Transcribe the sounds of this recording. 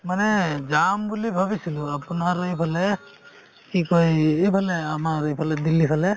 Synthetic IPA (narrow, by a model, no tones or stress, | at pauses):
manɛd͡ʒambulibʱəbisiluapnaɾipʰale | kikojebʰʱaleamaɾepʰalɛd̪ilːipʰalɛ